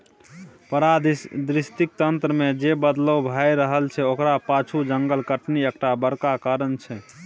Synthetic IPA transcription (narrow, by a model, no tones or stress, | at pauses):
pəɾad̪d̪ɾist̪ik̚t̪ənt̪ɾəmed͡ʒebəd̪lobʱajɾəɦəlt͡ʃʰɛokɾapat͡ʃʰud͡ʒəŋɡəlkəʈniekʈabəɾkakaɾənt͡ʃʰɛ